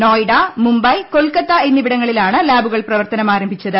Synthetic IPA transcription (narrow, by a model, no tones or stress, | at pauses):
noːjɽɐmumbɐjkolkɐt̪ːɐenːibiɽɐŋːɐɭilaːɳɨlaːbuɣɐɭprɐʋɐrt̪ɐnɐmaːɾɐmbʱit͡ɕːɐðɨ